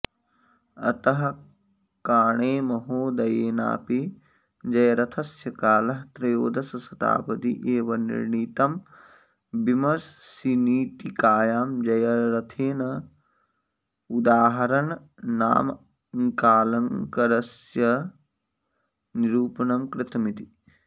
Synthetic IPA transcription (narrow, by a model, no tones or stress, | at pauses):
ɐ̰t̪ɐɦɐ | kaːɳeːmɐɦoːd̪ɐjeːna̰ːpi | d͡ʒɐjɐɾɐt̪ʰɐsjɐkaːlɐɦt̪ɾɐjoːd̪ɐsɐsɐt̪a̰ːpɐt̪ḭʔeːʋɐnḭɾɳiːt̪ɐm | bimɐsːiniːʈikaːjaːmd͡ʒɐjɐɾɐt̪ʰeːnɐ | ud̪aːɦɐɾɐn | na̰ːm | ŋkaːlɐŋkɐɾɐsjɐ | niɾuːpɐnɐmkɾɪt̪ɐmit̪i